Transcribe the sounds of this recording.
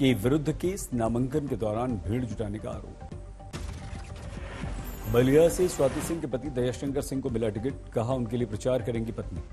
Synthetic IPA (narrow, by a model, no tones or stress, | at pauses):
keʋɪɾʊd̪ʱːkeːsnaːmə̃ŋkənked̪ɔːɾaːnbʱiːɽd͡ʒʊʈaːnekaa̰ːɾo̰ːp̚ | bɐlijaseswaːt̪isɪ̃ŋɡkepɐt̪id̪ɐjaʃɐ̃ŋkəɾsɪ̃ŋɡkomɪlaʈɪɡɪʈ̚kɐɦaʊnkeliepɾɐt͡ʃaːɾkɐɾẽːŋɡipɐt̪niː